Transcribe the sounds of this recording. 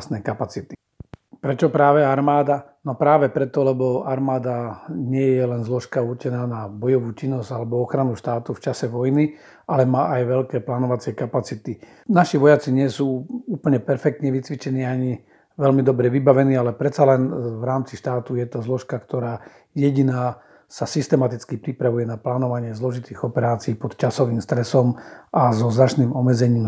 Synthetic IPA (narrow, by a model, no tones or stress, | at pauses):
snɛkapat͡sit̪i̥ | pɾɛt͡ʃɔpɾaːʋɛaɾmaːd̪anɔpɾaːʋɛpɾɛt̪ɔlɛbɔaɾmaːd̪aɲɪɛjɛlɛnzlɔʃkaurt͡ʃɛnaːnabɔjɔʋuːt͡ʃinːɔz̥alɛbɔɔxɾanuʃt̪aːt̪uft͡ʃasɛʋɔjni | ʔalɛmaːʔajʋɛʎkɛːplaːnɔʋat͡sɪɛkapat͡sit̪i | naʃiʋɔjat͡siɲɪɛsuːuːpəl̩ɲɛpɛɾfɛk̚t̪ɲɛʋit͡sʋit͡ʃɛniːaɲi | ʋɛlmid̪ɔbɾɛʋibaʋɛniːalɛpɾɛt̪t͡salɛnʋɾaːmt͡siʃt̪aːt̪ujɛt̪ɔzlɔʃkakt̪ɔɾaː | jɛɟinaː | sasist̪ɛmat̪it͡skipɾipɾaʋujɛnaplaːnɔʋaɲɪɛzlɔʒit̪iːɣɔpɛɾaːt͡siːpɔt̪t͡ʃasɔʋiːmst̪ɾɛsɔmʔazɔznat͡ʃniːmɔmɛd͡zɛɲiːm